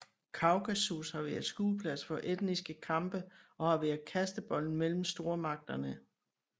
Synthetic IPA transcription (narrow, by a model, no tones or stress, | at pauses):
kʰɑ̈ʊɡ̥æsushɑ̈ʋæɐsɡ̥uːpʰlæsfɒ̽ʔed̥nisɡ̥əkʰɑ̈mb̥əʔɒ̽hɑ̈ʋæɐðˠkʰæsd̥əb̥ɒ̽l̰n̩mel̰m̩sd̥o̝ːɐmɑ̈ɡ̥̚d̥ɐnə